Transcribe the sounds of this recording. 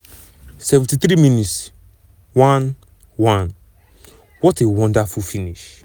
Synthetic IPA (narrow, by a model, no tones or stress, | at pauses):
sɛvɛ̃ntit̪ɾiminit | wãn | wãn | wɔtewɔ̃ndafufiniʃ